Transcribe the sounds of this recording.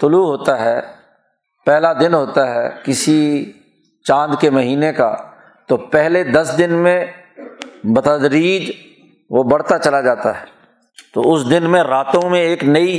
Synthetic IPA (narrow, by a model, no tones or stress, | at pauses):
t̪ʊluɦoːt̪aɦɛː | pɛɦlad̪ɪnɦoːt̪aɦɛ̰ːkɪsi | t͡ʃãːnd̪kemɐɦiːneka̰ | t̪opɛɦled̪ɐsd̪ɪnmẽ | bɐt̪əd̪ɾiːd͡ʒ | ʋobɐɽ̤t̪at͡ʃɐlad͡ʒaːt̪a̰ɦɛː | t̪o̰ːʊsd̪ɪnmẽɾaːt̪õmẽeːknɐi